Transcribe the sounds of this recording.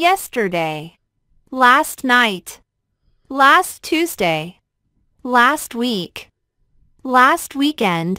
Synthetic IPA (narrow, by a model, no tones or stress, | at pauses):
jɛstə˞deɪ | læstⁿnaɪt | læstʰʉzdeɪ | læst̚wik | læst̚wikɛ̃nd̥